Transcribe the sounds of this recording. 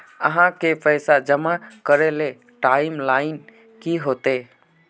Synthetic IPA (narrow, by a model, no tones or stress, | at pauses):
ə̰ɦãkepʰəɪsad͡ʒəmakəɾele | ʈaɪmlaːɪn | kiɦot̪e